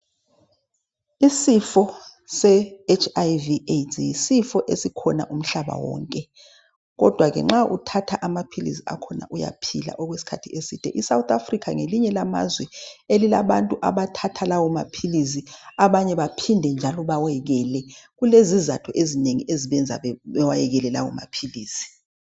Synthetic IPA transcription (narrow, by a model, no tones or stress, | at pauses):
isifɔsɛet͡ʃʰajvietʰʼjisifɔʔesikʰɔna̰ʔum̩ɬaɓa̰wɔ̰ːŋkʼɛ | ɣɔd̥ʱwaɣɛ̰ŋ͡ǁaʔṵtʰatʰaʔamapʰilḭsia̰kʰɔna̰ʔuja̰pʰila̰ʔɔɣwesi̥kʰatʰiesid̥ʱʼɛ̰ʔisawt̪afrikʰaŋeliɲɛlama̰zwɛelilaβantʼuʔaβatʰatʰalawɔmapʰilis̬iaβaɲɛβapʰindʱɛnd͡ʒʱalɔβawɛɣɛlɛɣulezizatʰɔʔezineŋiʔeziβɛnd͡zʱa̰ɛɛwajɛɣɛlɛlawɔ̰ma̰pʰiliːsi̥